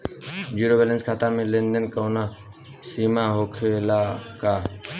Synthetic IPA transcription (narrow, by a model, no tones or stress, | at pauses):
d͡ʒuːɾobeːlənskʰaːt̪amẽlẽnd̪ənkəwna | siːmaɦoːkʰelaːkaː